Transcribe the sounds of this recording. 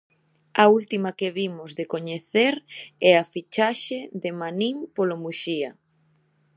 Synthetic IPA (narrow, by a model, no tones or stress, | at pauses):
ɐult̪imakeβimʊzðekoɲeθeɾɛafit͡ʃaʃeðemanimpolomuʃiɐ